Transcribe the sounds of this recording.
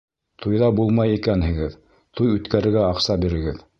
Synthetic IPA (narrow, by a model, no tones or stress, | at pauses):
t̪ʰujðɑbulˠmɑjikænɦɘ̆ɡɘð | t̪ujʉt̪kæɾɘ̆ɾɡæɑqsɑbiɾɘ̆ɡɘð